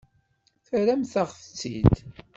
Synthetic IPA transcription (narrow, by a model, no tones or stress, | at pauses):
θəɾæmθaʁft͡sːḭd̪